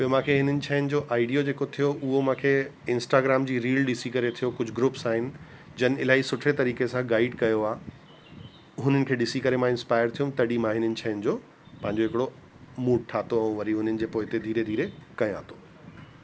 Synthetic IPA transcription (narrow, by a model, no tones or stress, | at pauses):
ɐjomãːkʰeɦɪnənɪ̆t͡ɕʰaːɪnɪ̆d͡ʑoːʔaːɪɖijod͡ʑeːkot̪ʰijoʔʊɦomãːkʰe | ɪ̃nsʈaːɡɾaːmd͡ʑiːɾiːlɗɪsikɐɾet̪ʰijokʊd͡ʑʱʊɡɾʊːpsaːɦɪnɪ̆d͡ʑɐnɪ̆ɪlaːisʊʈʰet̪ɐɾiːkesãɡaːɪɖkɐjoaː | ɦʊn̤ənɪ̆kʰeːɗɪsikɐɾemãɪ̃nspaːɪəɾt̪ʰijũt̪ɐɽimãɦɪnənɪ̆t͡ɕʰaːnɪ̆d͡ʑoː | pɐ̃ɦɪ̃ɲ̆d͡ʑoɦɪkɪɽo | muːʈ̚ʈʰaːt̪oɐũʋɐɾiɦʊn̤ənɪ̆d͡ʑeːpoːɦɪt̪ed̪ʱiːɾed̪ʱiːɾekɐj̃a̰ːt̪o̥ː